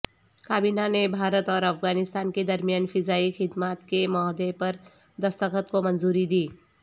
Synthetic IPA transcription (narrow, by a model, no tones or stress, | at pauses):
kaːbiːnanebʱaːɾət̪ɔːɾɐfɡaːnɪst̪aːnked̪ɐɾmijaːnfɪzaːixɪd̪maːt̪kemɔːd̪epɐɾ | d̪ɐst̪əkət̪komɐ̃nzuːɾid̪iː